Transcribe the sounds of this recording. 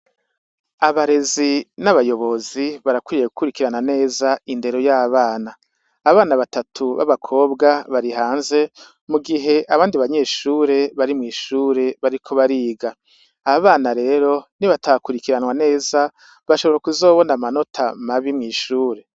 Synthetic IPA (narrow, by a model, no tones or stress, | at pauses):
aβaɾe̞zinaβajo̞βo̞ziβaɾakwuiɾije̞ɡukuɾikiɾanane̞ːzainde̞ɾo̞jaːβaːnaː | βaːnaβatatʰuβa̰βakʰo̞ːbɡaβaɾiɦaːnze̞ | muɡiɦe̞ʔaβaːndiβaɲe̞ːʃuːɾe̞βaɾimŋiːʃuːɾe̞βaɾikʰo̞βaɾiːɡaː | βaːnaɾe̞ːɾo̞niβatʰakuɾikiɾanwane̞ːza | βaʃo̞βoɾakuzo̞ːβo̞namano̞tʰa̰maβimŋiːʃuːɾe̞